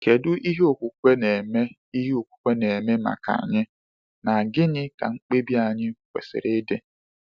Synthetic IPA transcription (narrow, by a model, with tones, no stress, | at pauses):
ke˨dʊ˦ʔi˦ɦe˦o˨kʷu˨kʷe˦ne˨me˦ | i˦ɦe˦o˨kʷu̥˨kʷe˦ne˨me˦ma̰˨ka̰˨ɲɪ˦ | na˨ɡɪ˦ɲɪ˦ka̰˨ŋ͡m̩˦k͡pe˦bi˦a˨ɲɪ˦kʷḛ˨sɪ̰˨ɾɪ˦de˦